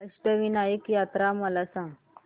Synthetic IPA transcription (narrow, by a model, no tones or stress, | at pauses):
əʂʈəʋinajəkjat̪ɾaməlasãŋɡ